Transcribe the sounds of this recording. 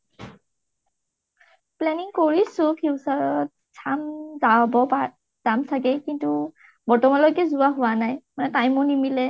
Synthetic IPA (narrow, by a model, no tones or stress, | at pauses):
plɛniŋkoɹisʊpʰiwsaɹɔt̚ | sʰamzabɔa | z̥amsaɡɛkintu | bɔɹtɔmanlɔjkɛzuaɦʊwanajmanɛtajmɔnimilɛ